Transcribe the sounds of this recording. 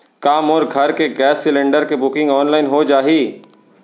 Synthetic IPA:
kaːmɔːɾɡʱɐɾkeɡɛːsːɪlẽɳɖəɾkebʊkɪ̃ŋɡɔːnlaːɪnɦod͡ʒaːɦiː

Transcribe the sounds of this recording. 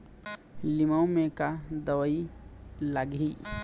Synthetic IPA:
lɪməwmẽkad̪əwəilaɡi

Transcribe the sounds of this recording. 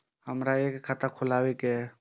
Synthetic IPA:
həmɾaeːkkʰːat̪akʰʊlaːwekɛ

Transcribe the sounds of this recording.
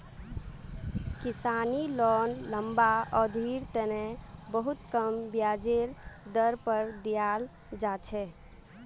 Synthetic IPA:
kisanilɔːnləmbaɔd̪ʱiɾt̪ənɛbəɦut̪kəmbjad͡ʒeɾd̪əɾpəɾd̪ijal | d͡ʒat͡ʃʰɛ

